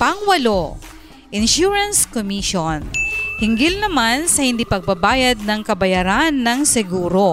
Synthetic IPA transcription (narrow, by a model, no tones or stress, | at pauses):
pɐŋwɐlo | ʔɪnʃuɹɐnskomiʃonhɪŋɡɪlnɐmansɐhɪnd̪iːpɐɡ̚babaːjɐd̪̚nɐŋkɐbɐjaɾanːɐŋsɛɡuːɾo